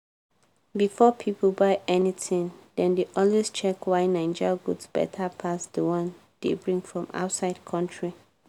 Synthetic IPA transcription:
bifɔpʰipʰəlbaɪɛnitʰĩŋd̥ɛ̃ndeʔɔlwest͡ʃɛkwaɪnãɪ̃nd͡ʒaɡudsb̥ɛ̰tʰapʰasd̥əwãn | d̥ḛbɹĩŋɡfɹɔ̃ma̰ʊtsaɪd̥kʰɔ̃ntʰɹi

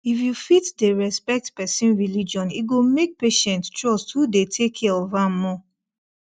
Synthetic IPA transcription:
ifjufitdeɹɛspɛk̚tpɛsĩnɹilid͡ʒɔ̃niɡomek̚peʃɛ̃nttɹɔsthudetʰekʰiovamɔ

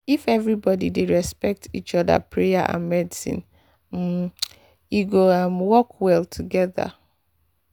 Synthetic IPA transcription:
ifɛvɹibɔdḭdeɹɛspɛk̚tʰḭt͡ʃɔða̰pʰɹeja̰ʔã̰nmɛdisḭ̃n̩ | jiɡoamwɔkʰwɛlˠtʰuɡɛða̰

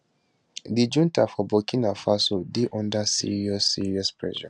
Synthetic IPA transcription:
did͡ʒũntafɔbɔkʰĩnafasodɪʔɔ̃ndasḭɹiɔsːḭɹiɔspɹɛ̰ʃa̰

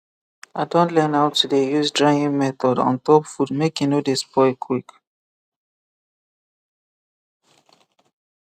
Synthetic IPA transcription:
aɪdõntlɛ̃nawtudejuzdɹaĩŋmɛθɔdɔ̰̃ntɔpfudmekjunodespɔɪkʰwik

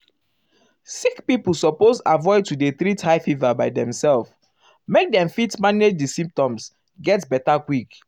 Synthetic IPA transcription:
sikpipul̩ˠsɔpozavɔɪd̚tudeθɾithaɪfivabaɪdɛ̃msɛlf | mek̚dɛ̃ɱfitmaned͡ʒdisĩmp̚tɔ̃ms | ɡɛtbɛtakwik

